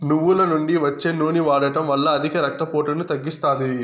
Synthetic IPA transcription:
nuʋːulɐnuɳɖiʋɐt͡ʃːeːnuːniʋaːɽɐʈɐmʋɐlːɐːd̪ʱikɐɾɐk̚t̪ːɐpoːʈɐnut̪ɐɡːist̪aːd̪i

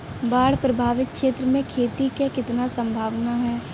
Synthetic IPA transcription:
baːɽpɾɐbʱaːʋɪt̪̚kʃeːt̪ɾəmẽkʰeːt̪ikekɪt̪nasə̃mbʱaːʋnaɦɛː

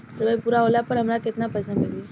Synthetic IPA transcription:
səʋəjpuɾaɦolapəɾɦəmlaket̪napəjsamile

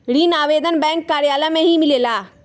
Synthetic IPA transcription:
ɽiːnaːʋeːd̪ənbɛ̃ːŋkːaːɾjaːlamẽɦimɪlelaː

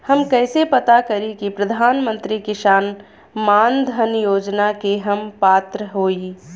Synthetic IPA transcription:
hɐmkɛːsepɐt̪akɐɾikipɾɐd̪ʱaːnmə̃nt̪ɾikɪʃaːn | maːnd̪ʱənjoːd͡ʒnakeɦɐmpaːt̪ɾəɦoːi

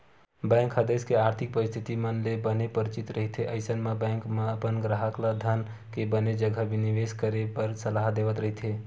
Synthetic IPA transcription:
bɛ̃ŋkɦəd̪eskeaɾt̪ʰik̚pəɾist̪ʰit̪imənlebənepəɾit͡ʃit̪ɾəɦit̪ʰeʔəɪsənmebɛ̃ŋkmeəpənɡɾaɦəklad̪ʱən | kebəned͡ʒəɡʱəbiniʋeskəɾepəɾsəlaɦd̪eʋət̪ɾəɦit̪ʰe

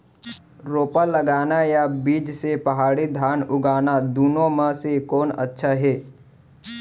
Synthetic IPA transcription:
ɾoːpəlːəɡaːnajabiːd͡ʒsepɐɦaːɽid̪ʱaːnʊɡaːnad̪uːnõməsekoːnə̰tːʃʰaɦeː

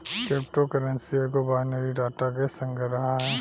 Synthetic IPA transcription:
keːp̚ʈokəɾə̃nsiekobaːnəɾiɖaːʈakesə̃ŋɡəɾɐɦaɦɛː

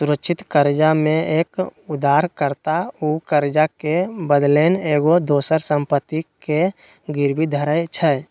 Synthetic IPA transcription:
suɾəkʃʰɪt̪kəɾd͡ʒamẽeːkud̪aːɾkəɾt̪aukəɾd͡ʒakebəd̪leːneːɡod̪oːsəɾsə̃mpət̪ːike | ɡɪɾbid̪ʱəɾəjt͡ʃʰɛ

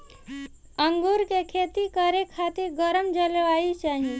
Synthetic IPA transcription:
əŋɡuɾkekʰeːt̪ikəɾekʰaːt̪iɾɡəɾəmd͡ʒəlʋaːit͡ʃaːɦie

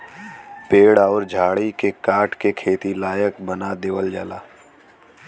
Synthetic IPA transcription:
peːɽaɔːɾd͡ʒʱaːɽikekaːʈʰkekʰeːt̪ilaːjəkbənad̪eːʋəld͡ʒaːlaː

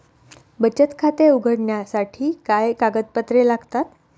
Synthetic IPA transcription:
bət͡ɕət̪kʰat̪euɡʱəɽɳjasaʈʰiːkajkaɡət̪̚pət̪ɾelaɡt̪at̪

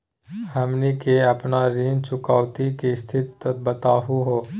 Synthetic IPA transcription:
həmnikeəpnaɾiːnt͡ʃʊkaːʋt̪ikist̪ʰɪt̪ːbət̪aːɦuɦoː

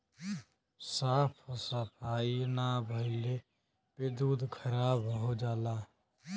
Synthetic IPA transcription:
saːpʰosəpʰaːinabʱəɪle | ped̪uːd̪kʰəɾaːbɦod͡ʒaːla

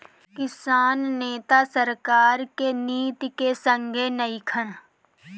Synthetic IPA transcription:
kɪsaːnːeːt̪asəɾkaːɾkeniːt̪ikesə̃ŋɡʱenəikʰəɽ

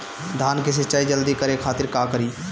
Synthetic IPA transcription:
d̪ʱaːnkeʃ̬ɪt͡ʃaːid͡ʒəld̪ikəɾekʰaːt̪ɪɾkaːkəɾiː

